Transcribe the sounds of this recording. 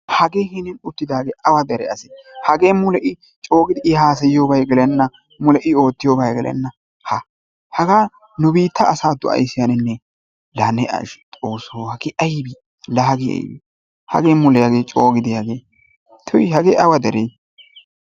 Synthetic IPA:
hɐɡeːhɪnɪnʊt̪ːɪd̪aːɡeːʔɐwɐd̪ɛɾɛ̰ɐsɪhɐɡeːmʊlɛʔɪ | t͡ʃʼo̞ːɡɪd̪ɪʔɪhaːs̬ɐjɪjoːbɐjɡɛlɛnːɐ | mʊlɛʔɪo̞ːt̪ːɪjobɐjɡɛlʔɛ̰nːɐ | hɐ | hɐɡaː | nʊbiːt̪ːɐːsaːd̪ːʊʔɐ̰jsɪjanɪnːɛ | lɐnɛɐ̰ʃt̪ʼoːsoːhɐɡɪʔɐjbi | lɐɦɐɡɪɐ̰jbḭ | hɐ̰ɡeːmːʊlɛjaɡeːt͡ʃʼoːɡɪd̪ɪjɐɡeː | t̪ʰʊjhɐɡeʔɐwɐd̪ɛɾej

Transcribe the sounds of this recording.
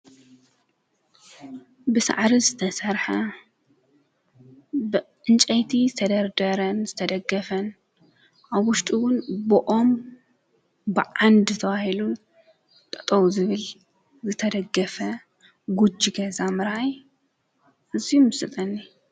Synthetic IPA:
bɨsa̰ʕɾizɨt̪ʰɐsɐɾħɐ | bɨʔɨnt͡ʃʼɐjt̪ʰizɨt̪ʰɐd̪ɐɾd̪ɐɾɐnzɨt̪ʰɐd̪ɐɡːɐfɐn | ʔaβwʊʃt̪ʼiwʊnbɨʔom | bɨʕand̪zɨt̪ʰɐβahilu | t̪ʼɐt̪ʼɐwuzɨβɨl | zɨt̪ʰɐd̪ɐɡːɐfɐ | ɡud͡ʒiɡɐzamɨɾaj | ʔɨzimɨsɨt̪ʼɐnːi

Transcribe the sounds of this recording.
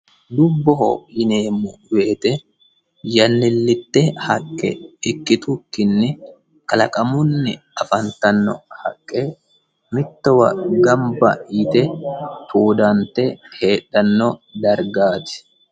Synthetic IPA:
d̪ʊbːɔɦɔ̰jɪneːmːʊweːt̪ɛ | jɐnːɪlːɪt̪ːɛhɐkʼːɛ̰ɪkːɪt̪ʊkːɪnːɪ | kɐlɐ̰kʼɐmʊnːɪ | ɐfɐnt̪ɐnːɔ̰hɐ̰kʼːɛ | mɪt̪ːɔwɐɡɐmbɐ̰ɪt̪ɛt̪ʰuːd̪ɐnt̪ːɛhe̞ːɗːɐnːɔd̪ɐɾɡaːt̪ɪ̥

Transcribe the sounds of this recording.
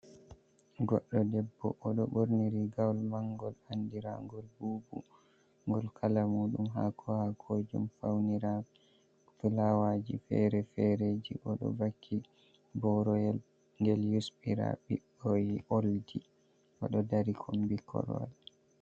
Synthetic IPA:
ɡɔɗːɔdɛbːɔ̰ʔɔɗɔɓoɾniɾiɡawlmaŋɡɔlandiɾa̰ŋɡɔlbuːbu | ŋɡɔlkʰalamuɗumɦa̰kʰɔhakʰod͡ʒumfawniɾa | fulawad͡ʒḭfɛ̰ɾɛfɛɾed͡ʒiʔɔɗɔ̰bakʰːi | bɔɾɔ | ŋɡɛljusɓiɾa̰ɓḭɗojiʔoldi | ʔɔɗɔdaɾikʰɔmbikʰɔ̰ɾɔ̰l

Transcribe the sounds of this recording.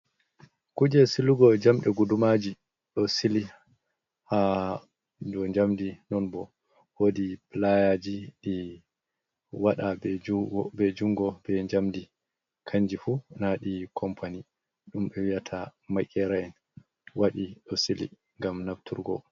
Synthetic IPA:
kud͡ʒɛsiluɡɔd͡ʒamɗɛɡudumad͡ʒi | ɗɔsili | ha | dɔɲd͡ʒamdinɔnbɔ | wodiplajad͡ʒiɗi | waɗabɛbɛd͡ʒuŋɡɔbɛɲd͡ʒamdi | kʰaɲd͡ʒifunaɗikʰɔmpʰani | ɗumɓɛwijatʰamakʼːɛɾaɛn | waɗiɗɔsilḭ | ŋɡamnaftuɾɡɔ̰

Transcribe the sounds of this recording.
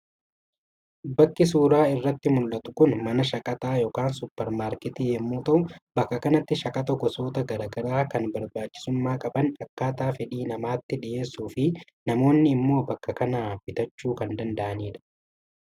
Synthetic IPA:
bɐkːɪsuːɾaːɪrːɐt̪ːɪmʊlːɐt̪ʊ̥kʊnmɐnɐʃɐkʼɐt̪aːjoːkaːnsʊpːɛɾmaːɾkɛt̪iːhɛmːuːt̪ɐʔʊbɐkːɐkɐnɐt̪ːɪʃɐkʼɐt̪ɐɡɔso̞ːt̪ɐɡɐɾɐɡɐɾaːkɐnbɐɾbaːt͡ʃʼːɪ̥sʊmːaːkʼɐbɐnɐkːaːt̪aːfɛᶑiːnɐmaːt̪ːɪᶑɪʔe̞ːsːuːfɪ | nɐmo̞ːnːɪːmːo̞ːbɐkːɐkɐnabɪt̪ɐt͡ʃːuːkɐnd̪ɐnd̪ɐʔɐniːᶑɐ̥

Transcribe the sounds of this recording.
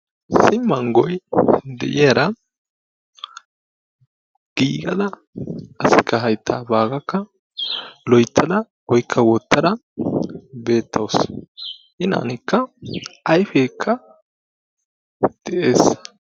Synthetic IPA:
sɪmːɐŋɡɔjd̪ɛ̰ʔeɾɐ | ɡ̥iːɡɐd̪ɐ | ɐsɪkːɐɦɐjt̪ʰːaːbaːɡɐkːɐ | lɔjt̪ʰːɐd̪ɐ | wɔjkʰːɐwɔt̪ːɐd̪ɐ | be̞ːt̪ʰːɐws | ʔɪnɐ̰nɪkːɐɐjfeːkʰːɐ | d̪̥ɛʔe̞ːs

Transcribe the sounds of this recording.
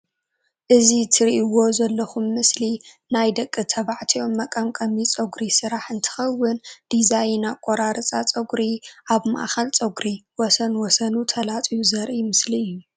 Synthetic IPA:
ʔɨzit̪ʰɨɾiʔiwo̞zɐlːɐxumːɨsli | najd̪ɐkʼːɨt̪ʰɐβaʕt̪ʰio̞mːɐkʼɐmkʼɐmit͡sʼɐɡɾisɨɾaħɨnt̪ʰɨ̥xɐwːɨnd̪̥izajnakʼoɾaɾɨt͡sʼat͡sʼɐɡɾiʔaβma̰ʔxɐlt͡sʼɐɡɾiwɔsɐnwɔsɐnut̪ʰɐlat͡sʼijuzɐɾʔimɨsliɨjːu

